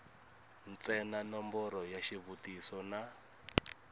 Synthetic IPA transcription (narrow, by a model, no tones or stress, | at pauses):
nt͡sɛnanɔmbɔɾɔjaʃiβutisɔna